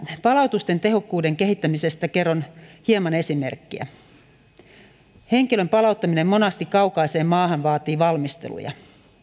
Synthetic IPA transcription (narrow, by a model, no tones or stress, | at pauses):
pɑlɑut̪ust̪e̞nt̪e̞ɦo̞kːuːde̞ŋke̞hit̪ːæmisest̪æke̞rːonhiemɑne̞sime̞̰rkːiæ̰ | he̞ŋkilø̞mpɑlɑwt̪ːɑminemːo̞nɑst̪ikkːɑukɑise̞ːmmɑːhɑnʋɑːt̪iːʋɑlmist̪ḛlṵjɑ̰